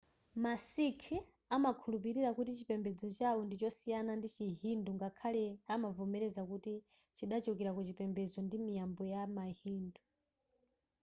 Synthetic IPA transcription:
masikʰɛ | amakʰulupiɾiɾakutit͡ʃipɛmbɛd͡zɔt͡ʃawɔndit͡ʃɔsijanandit͡ʃiɦinduŋɡakʰalɛamavɔmɛɾɛzakuti | t͡ʃiɗat͡ʃɔkɛɾakut͡ʃipɛmbɛzɔndimijambɔjamahiːndu

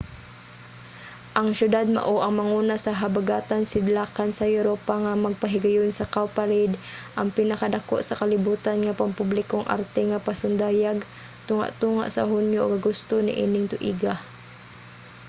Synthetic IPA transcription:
ʔɐŋʃjʊd̪ad̪̚ma̰ʔoʔɐŋmɐŋuːnasɐɦabaɡaːt̪ansɪd̪lakansɐjʊɾoːpaŋamɐɡ̚pɐɦɪɡajʊnsɐkawpaɾɪd̪ʔɐŋpɪnɐkad̪ako̰ʔsɐkɐlɪbuːt̪anŋapampʊblɪkoŋʔa̰ɾt̪ɛŋapasʊnd̪aːjaɡ | t̪ʊŋa̰ʔt̪uːŋa̰ʔsɐ̰ɦʊnjʊʔɡɐɡʊst̪onɪ̰ʔḭːnɪŋt̪ʊʔiːɡa

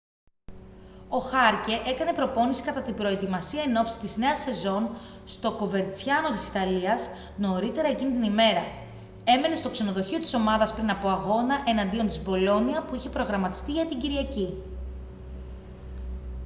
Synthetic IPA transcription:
o̞xɐɾce̞ʔe̞kɐne̞pɾo̞po̞nisi̥kɐt̪ɐt̪ibɾo̞e̞t̪imɐsiɐeno̞psi̥t̪izne̞ɐse̞zo̞nst̪o̞ko̞ve̞ɾt͡sçɐno̞t̪i̥si̥t̪ɐliɐs | no̞ɾit̪e̞ɾɐe̞cinit̪inime̞ɾɐ | e̞me̞nest̪o̞kse̞no̞ðo̞çio̞t̪i̥so̞mɐðɐspɾinɐpo̞ɐɣo̞nɐʔe̞nɐnd̪io̞nt̪izbo̞lo̞niɐpuiçe̞pɾo̞ɣɾɐmɐt̪i̥st̪iʝɐt̪iɲɟiɾiʝɐci

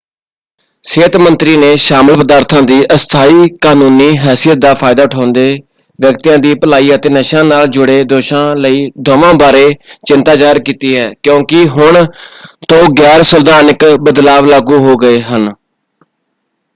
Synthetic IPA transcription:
seːt̪mənt̪ɾiːneːʃaːməlpəd̪aːɾt̪ʰãːd̪iːʔəst̪ʰaːiːkaːnuːniːɦɛːsijət̪̚d̪aːpʰaːɪd̪aːʊʈʰãːnd̪eː | ʋjəkt̪ijãːd̪iːpəlaːiːət̪eːnəʃãːnaːld͡ʒʊɽeːd̪oːʃãːləiːd̪ʱoːʋãːbaːɾeːt͡ʃɪnt̪aːd͡ʒaːɪɾkiːt̪iːɦɛːkjõːkɪɦʊɳt̪õːɡɛːɾsəld̪aːnəkbəd̪laːʋlaːɡuːɦoːɡəeːɦən

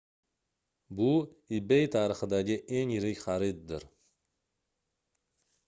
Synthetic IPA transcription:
bʊɪbejt̪ʰaɾɨχɨd̪aɡʲɪʔeŋjɪɾɪkʲχaɾɪt̪̚d̪ɪɾ

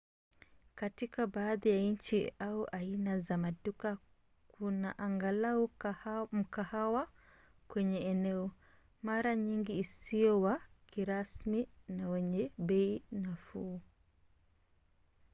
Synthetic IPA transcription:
katikabaːðijaɲ̩t͡ʃiauʔainazamaɗuka | kunaʔaŋɡalaɔm̩kahawa | kwɛɲɛɛnɛɔ | maɾaɲiŋɡiːsiɔwakiɾasminawɛɲɛɓɛinafu

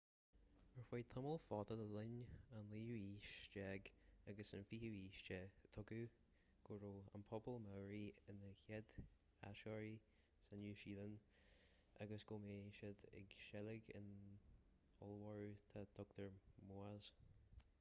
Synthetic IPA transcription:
məɹfajt̪ʰəməlˠfɔt̪ədəlɪnanliːjuːiːʃt͡ʃɛɡaɡəsənfihuiːʃt͡ʃɛt̪ʰʊɡu | ɡ̥ʊɹoːa̰npʰɔbəlˠmawɹiɪnəçɛd̪ | a̰ʃɔɹi | sanjuːʃiːlən | a̰ɡəsɡ̥omeːʃəd̪ɪ̰ɡʃɛlɪɡɪ̰n | ɔlˠwɔɹut̪ʰad̪̥ɔk̚t̪əɹmoːaz̥

